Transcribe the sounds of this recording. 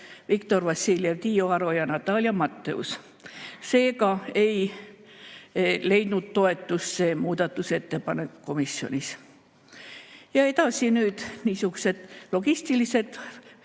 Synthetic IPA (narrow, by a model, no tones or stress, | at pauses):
vikt̪o̞rvɑsiljevt̪iːjoɑɾo̞jɑnɑt̪ːˑɑlʲjɑmɑt̪ːeṵs | se̞ːkɑe̞j | le̞jd̪̥nud̪̥t̪o̞e̞t̪ːˑusse̞ːmuːd̪ɑt̪ːˑuse̞t̪ːe̞pɑne̞ku̥ko̞misːio̞̰nʲis | jɑe̞t̪ɑsinyːd̪̥niːsuɡuse̞d̪̥lo̞ɡ̥ist̪ilise̞d̪̥